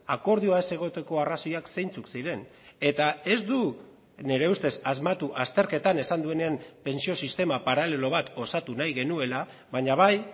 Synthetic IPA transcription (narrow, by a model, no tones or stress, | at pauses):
ako̞ɾðiuaese̞ɣ̞o̞t̪e̞ko̞araso̞jakse̞jnt͡suksiɾe̞n | e̞t̪ae̞zd̪u | ne̞ɾe̞ust̪e̞sazmat̪uʔast̪e̞ɾke̞t̪ane̞sand̪ue̞ne̞ampe̞nsio̞sist̪e̞mapaɾale̞lo̞β̞at̪o̞sat̪unajɣe̞nue̞la | βaɲaβ̞aj